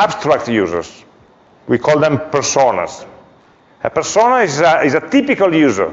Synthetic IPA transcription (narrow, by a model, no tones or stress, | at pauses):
abst̪ɾak̚t̪juːzə̰ɹs | wikʰɔld̪ɛ̃mpɛɾsona̰z | əpɛɾsonazizat̪ipikaljuːzə̰ɹ